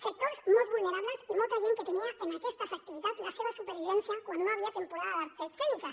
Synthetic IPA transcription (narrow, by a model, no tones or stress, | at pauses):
se̞k̚t̪o̞ɾzmazβulne̞ɾaβle̞simot̪aβjeŋke̞t̪e̞niaʔenakest̪afak̚t̪iβiðalaseβasupeɾβiβe̞nθjakwand̪onoaβ̞iat̪e̞mpo̞ɾaðaðaɾt̪sefelika